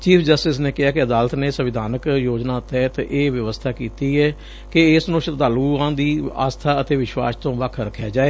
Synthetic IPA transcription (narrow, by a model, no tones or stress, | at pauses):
t͡ʃiːpʰd͡ʒəsʈɪs̬neːkɪɦaːkeəd̪aːlət̪neːsəʋɪd̪ʱaːnəkjoːd͡ʒnãːt̪ɛːt̪ʔeːʋjəʋəst̪ʰaːkiːt̪iːɛː | keɪsnõːʃət̪d̪aːluːãːd̪iːa̰ːst̪ʰaːət̪eːʋɪʃʋa̰ːst̪õːʋəkʰɾəkʰːjaːd͡ʒaːeː